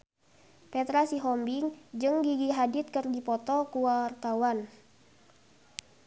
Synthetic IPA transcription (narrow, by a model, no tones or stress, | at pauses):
pɛt̪ɾasiɦɔmbiŋd͡ʒɨŋɡiɡiɦadit̪̚kɨrɡipɔt̪ɔkuwart̪awan